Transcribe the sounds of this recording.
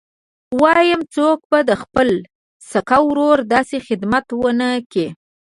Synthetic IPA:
wɑjəmt͡sok̚bad̪əxpəl | sakawɾoɾd̪ɑsexɪd̪mat̪wənəke

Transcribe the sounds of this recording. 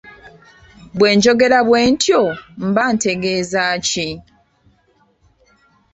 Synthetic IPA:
bwe̞ːɲd͡ʒo̞ɡe̞ɾaβwe̞ːntjom̩bante̞ɡeːzaːci

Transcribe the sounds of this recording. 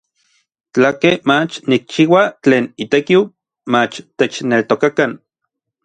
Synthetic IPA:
t͡ɬakemat͡ʃnik̚t͡ʃiːwat͡ɬeːnit̪ekiw | mat͡ʃt̪et͡ʃnelt̪okakan

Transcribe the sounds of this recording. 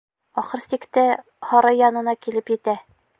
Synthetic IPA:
ɒχɤɾsikt̪ɘ | hɒɾɤjɒnɤ̆nɑkilɘpjɘ̆t̪æ

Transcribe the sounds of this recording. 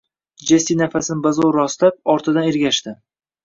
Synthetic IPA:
d͡ʒesinafasɪnɪbazɒwɾɒst̪ap̚ɒɾt̪ʰɪd̪aneɾɡʲaʃt̪ɪ

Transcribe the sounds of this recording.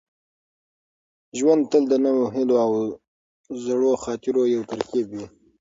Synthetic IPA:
ʒwand̪̚t̪əld̪ənəwoɦiloaw | zaɽoxɑt̪ɪɾojawt̪aɾkibwi

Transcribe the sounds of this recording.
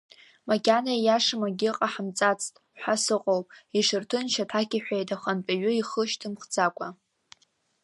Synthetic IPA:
maɡʲanajaʂɨmaɡʲɪqʼaħamt͡sʼat͡sʰʼtʼħʷasɨqʼowpʼiʂɨrtʰɨnʃatʰakʲiħᶣʷajtʰaχanpʼaɥʷʊiχəʃtʰɨmχd͡zakʷʼa

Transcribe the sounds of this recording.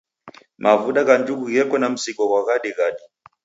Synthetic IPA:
mʔavuɗaɣand͡ʒukuɣɛkɔnam̩sikɔɣwaɣaɗiɣaɗi

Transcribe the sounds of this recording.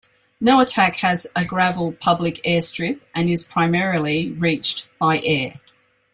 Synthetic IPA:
nəʊətʰakhəzəɡɹavəlˠpʰʌblɪkɛːstɹ̥ɪp̚ʔə̃nɪz̥pʰɹ̥aɪmɛɹəl̩ˠiɹiˑt͡ʃb̥aɪʔɛː

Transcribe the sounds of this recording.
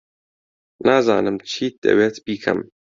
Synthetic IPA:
nʔaːza̰ːnɨmt͡ʃʰiːd̪̥ɐ̰weːt̪biːkʰɐ̰m

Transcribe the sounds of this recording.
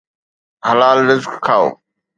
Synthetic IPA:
həlaːlnɪzkkʰːaːo̰ː

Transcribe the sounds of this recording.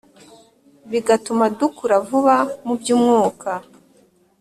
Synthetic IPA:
βiɡatumadukuɾavuβamubjuːmŋuːkʰa

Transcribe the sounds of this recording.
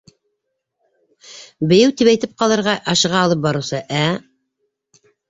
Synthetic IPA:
bɘ̆jɘwt̪ipæjt̪ɘp̚qɑlˠɤ̆ɾʁɑʔɑʃɤ̆ʁɑːlˠɤp̚bɑɾɤ̆wsɤʔæ

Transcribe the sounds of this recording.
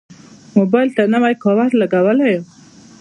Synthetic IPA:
mobɑjlt̪anawajkɑwaɾlaɡawəlajo

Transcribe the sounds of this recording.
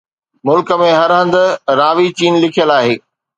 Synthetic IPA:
mʊlkəmẽɦɐɾɦə̃nd̪ʊ̆ɾaːʋit͡ɕiːnlɪkʰijəlaːɦeː

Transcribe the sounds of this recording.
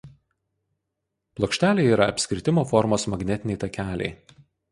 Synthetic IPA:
plˠoːkʃʲt̪ʲæːlʲeɪiːɾɐɐpʲsʲkʲɾʲɪt̪ʲɪmoːfɔɾmoːsmɐɡnʲɛt̪ʲɪnʲɛɪt̪ɐkʲæːlʲɛ̰ɪ

